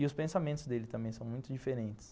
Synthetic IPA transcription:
ɪʊspẽsamẽnt̪ʊzd̪elɪt̪ɐ̃mbẽj̃sɐ̃w̃mũj̃t̪ʊd͡ʒifeɾẽnt͡ʃɪ̥s

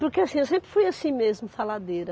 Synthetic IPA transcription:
pʊɾkeasĩewsẽmpɾɪ̥fujasĩmezmʊfalad̪eɾɐ

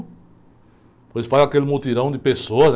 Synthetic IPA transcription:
pojsfazakelɪmut̪iɾɐ̃w̃d̪ɪpesoɐz

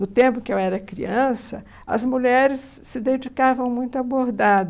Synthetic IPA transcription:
nʊt̪ẽmpʊ̃kɪewɛɾɐkɾḭɐ̃sɐ | ɐ̰zmuʎɛɾɪsːɪd̪ẽd͡ʒikavɐ̃w̃mũj̃t̪ʊaboɾd̪ad̪ʊ

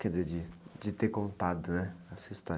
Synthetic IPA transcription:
kɛdɪzeɾd͡ʒɪd͡ʒɪt̪eɾkõnt̪ad̪ʊnɛɐsuɐist̪ɔɾ

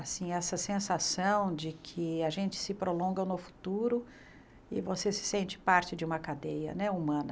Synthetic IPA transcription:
asĩɛsɐsẽsasɐ̃w̃d͡ʒɪkʰɪaʒẽnt͡ʃɪ̥sɪpɾolõɡɐnʊfu̥t̪uɾʊ | ɪvosesɪ̥sẽnt͡ʃɪ̥paɾt͡ʃɪd͡ʒɪũmɐkad̪ejɐ̰nɛumɐ̃nɐ

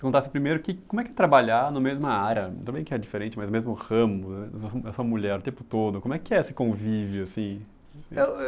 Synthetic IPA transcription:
sɪ̥kõt̪asɪpɾimejɾʊkɪkõmʊɛkɪɛt̪ɾabaʎanɐ̃mɐmezmɐaɾɐɐ̃bẽj̃kɪɛd͡ʒifeɾẽnt͡ʃɪmɐjznmezmʊhɐ̃mʊsoɛsõɐmuʎɛɾʊt̪ẽmpʊt̪od̪ʊkõmʊɛkɪɛesɪ̥kõvivjʊasĩ | e

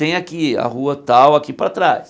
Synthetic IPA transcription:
t̪ẽj̃akia̰huɐt̪awakipɾat̪ɾas

